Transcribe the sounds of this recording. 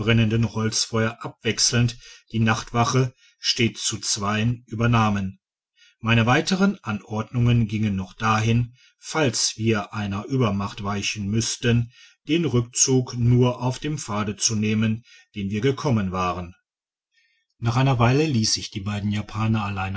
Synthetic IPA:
ʁɛnəndənhɔlt͡sfɔʏɐʔap̚v̥ɛksl̩ntd̥iːnaχtv̥aχə | ʃteːtt͡sut͡sv̥aɪənʔyːbɐnaːmən | maɪnəvaɪtəʁənʔanʔɔɐdnʊŋənɡɪŋənːɔχd̥aːɦɪn | falsv̥iːɐʔaɪnɐʔyːbɐmaχtv̥aɪçn̩mʏstən | d̥eːnʁʏk̚t͡suːknuːɐʔaʊfd̥eːmfaːdət͡suneːmən | d̥eːnviːɐɡəkʰɔmənvaːʁən | naːχʔaɪnɐvaɪləliːsz̥ɪçd̥iːbaɪdn̩jaːpʰaːnɐalaɪn

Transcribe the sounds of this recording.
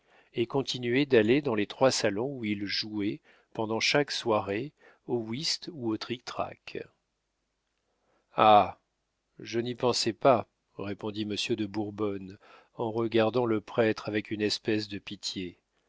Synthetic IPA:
ekɔ̃t̪inɥɛd̪aled̪ɑ̃let̪χwasalɔ̃uilʒuɛ | pɑ̃d̪ɑ̃ʃakswaʁe | owist̪uot̪χik̚t̪χa̰k | a | ʒənipɑ̃sɛpa | ʁepɔ̃d̪iməsjød̪əbuʁbɔn | ɑ̃ʁəɡaʁd̪ɑ̃ləpχɛt̪χavɛkynɛspɛsd̪əpit̪je

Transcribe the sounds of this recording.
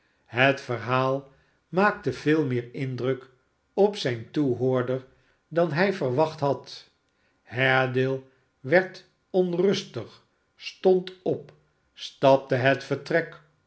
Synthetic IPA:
ɦətfəɹɦaːlˠ | maːk̚təv̥ɪːlˠmɪːɹɪndrɵk | ɔpsɛjntuɦoːɹdəɹ | dɑnɦɛjvərʋɑχtɦɑt | ɦɛɹdɪːlˠ | ʋɛɹt | ɔnrɵstəχ | stɔntɔp | stɑp̚təɦətfəɹtrɛk

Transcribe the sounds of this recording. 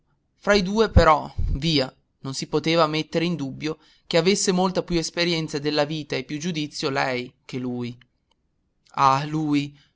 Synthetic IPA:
fɾaid̪uːepeɾɔviːa | nonsipot̪eːvamet̪ːeɾeind̪ubːjo | keavesːemolt̪apjuespeɾjɛnt̪sad̪elːaviːt̪aepːjud͡ʒud̪it̪sːjolɛjk̟eluːj | aluːj

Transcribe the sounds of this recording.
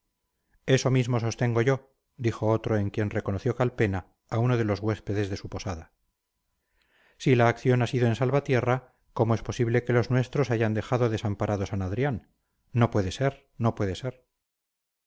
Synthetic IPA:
e̞so̞mizmo̞so̞st̪e̞ŋɡo̞ʝo̞ | d̪ixo̞ot̪ɾoeŋkje̞nre̞ko̞noθjo̞kalpe̞na | auno̞ðe̞lo̞zɣwe̞spe̞ðe̞zðe̞supo̞saða | silaːkθjo̞nasiðo̞e̞nsalβat̪je̞ra | ko̞moe̞spo̞siβle̞ke̞lo̞znwe̞st̪ɾo̞saʝand̪e̞xaðoðe̞sampaɾʔaðo̞sanaðɾjanː | o̞pwe̞ðe̞se̞ɾ | no̞pwe̞ðe̞se̞ɾ

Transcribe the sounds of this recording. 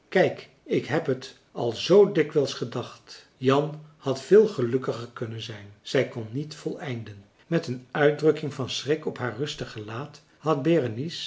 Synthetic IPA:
kɛjk | ɪkɦɛpɦət | ɑlˠzowdɪkʋɛlˠsχədɑχt | jɑnhɑtfɪːlˠχəlɵkəχəɹkɵnənzɛjnz̥ɛjkɔnːitfɔlˠɛjndən | mɛtənœɥt̚drɵkɪŋvɑnsrɪkɔpɦaːɹrɵstəχəlaːt | hɑd̚bɛrənis

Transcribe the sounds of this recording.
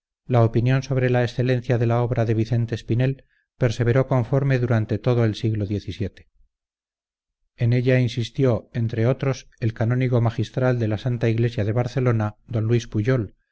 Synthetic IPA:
laopinjo̞nso̞βɾe̞laesθe̞lenθjaðe̞lao̞βɾaðe̞β̞iθe̞nt̪eːspine̞l | pe̞ɾse̞β̞e̞ɾo̞ko̞ɱfo̞ɾme̞ðuɾant̪e̞t̪o̞ð̞oe̞lsiɣloðje̞θisje̞t̪e̥ | ene̞ʎainsist̪jo̞ent̪ɾe̞o̞t̪ɾo̞se̞lkano̞niɣo̞maxist̪ɾald̪e̞lasant̪aiɣle̞sjaðe̞β̞aɾθe̞lo̞nad̪o̞nlwispuʝo̞l

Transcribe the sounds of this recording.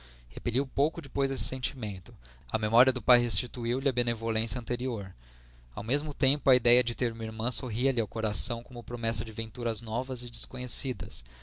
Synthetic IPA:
hepeliwpowkʊd͡ʒɪpojzesɪ̥sẽnt͡ʃimẽnt̪ʊ̥ | ɐmemɔɾiɐd̪ʊpajɦest͡ʃit̪uiwlɪɐbenevolẽsjɐ̃nt̪eɾioɾ | awmezmʊt̪ẽmpʊɐid̪ɛjɐd͡ʒɪt̪eɾũmɐiɾmɐ̃soɦiɐliawkoɾasɐ̃w̃kõmʊpɾomɛsɐd͡ʒɪvẽnt̪uɾɐznɔvɐzɪd͡ʒɪskõɲesid̪ɐ̰s

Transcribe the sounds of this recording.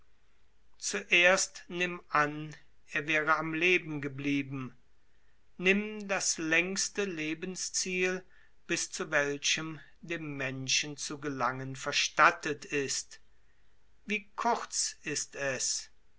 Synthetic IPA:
t͡suʔeːɐstnɪmʔan | ʔeːɐvɛːʁəamleːbm̩ɡəbliːbm̩ | nɪmdaslɛŋstəleːbənst͡siːl | b̥ɪst͡suvɛlʃəm | deːmːɛnʃən̩t͡suɡəlaŋənfɛɐʃtatətɪst | viːkʰʊʁt͡sɪstɛs

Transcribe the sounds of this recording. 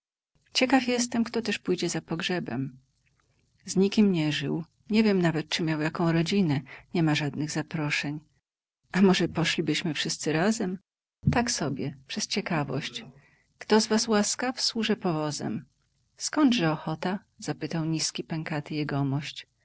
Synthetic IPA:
t͡ɕɛkafjɛs̬t̪ɛmkt̪ɔt̪ɛʂpujd͡ʑɛzapɔɡʐɛbɛ̰m | zɲikʲimɲɛʐɘ̰w | ɲɛvʲjɛmnavɛt̪̚t͡ʂɘmʲjawjakɔ̃w̃ɾɔd͡ʑinɛɲɛmaʐad̪̚nɘɣzapɾɔʂɛɲ | ʔamɔʐɛpɔʂlʲibɘɕmɘfʂɘst̪sɘɾazɛm | t̪aksɔbʲjɛpʂɛst͡ɕɛkavɔ̰ɕt͡ɕ | kt̪ɔzvaswaskafswuʐɛpɔvɔzɛ̰m | skɔnd̪ʐɛɔxɔt̪a | z̥apɘt̪awɲiskʲipɛŋkat̪ɘjɛɡɔmɔɕt͡ɕ

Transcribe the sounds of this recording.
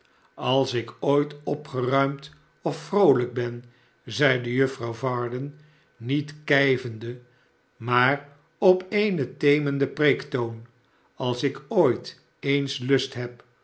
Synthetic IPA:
ɑlˠsɪkojtɔpχərœɥmt | ɔfːrowləɡ̚bɛn | zɛjdəjøfrɑwvɑːɹdənː | itkɛjvəndə | maːr | ɔpejnətejməndəpreːktown | ɑlˠsɪkoːjt | ejnslɵstɦɛp

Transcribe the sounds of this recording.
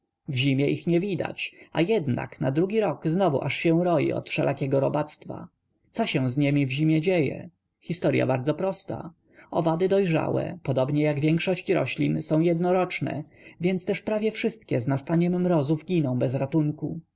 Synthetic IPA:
vʑimʲjɛʔixɲɛvʲid̪a̰t͡ɕa̰jɛd̪na̰knad̪ɾuɡʲiɾɔkznɔvṵʔaʂɕɛ̃w̃ɾɔjḭɔ̰t̪fʂɛlʔakʲɛɡɔɾɔbat̪st̪fa̰ | t̪sɔɕɛ̃w̃zɲɛmʲivʑimʲjɛd͡ʑejɛ̰ | xʲist̪ɔɾja̰baɾd̪zɔpɾɔst̪a̰ | ɔvad̪ɘd̪ɔjʐa̰wɛ̰pɔd̪ɔbɲɛjaɡvʲjɛŋkʂɔɕt͡ɕɾɔ̰ɕlʲinsɔ̃w̃jɛd̪nɔɾɔt͡ʂnɛ̰ | vʲjɛnt̪st̪ɛʂpɾavʲjɛfʂɘst̪̚kʲɛznast̪aɲɛmːɾɔzuvɡʲinɔ̃w̃bɛzɾat̪uŋku

